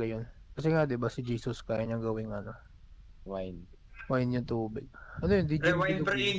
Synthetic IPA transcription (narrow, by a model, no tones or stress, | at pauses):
ɡɐjonkɐs̬ɛŋad̪ɪbɐsɪd͡ʒiːsʊskajɪɲɐŋɡɐwɪŋɐno̞ | wajnwajnɲʊnt̪uːbɪɡ̚ʔɐnojʊnd̪id͡ʒɐt̪u